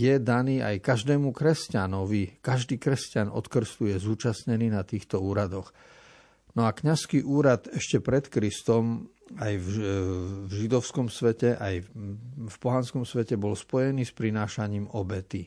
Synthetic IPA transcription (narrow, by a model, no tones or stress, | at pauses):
jɛd̪aniːʔa̰jkaʒd̪ɛːmukɾɛscanɔʋikaʒd̪iːkɾɛscanɔ̰t̪kr̩st̪ujɛzuːt͡ʃasɲɛniːnat̪iːxt̪ɔuːɾad̪ɔx | nɔakɲaskiʔuːɾad̪ɛʃcɛpɾɛt̪kɾist̪ɔmajv | vʒid̪ɔʊskɔmsʋɛcɛʔaj | fpɔɦanskɔmsʋɛcɛbɔlspɔjɛniːspɾinaːʃaɲiːmɔbɛt̪i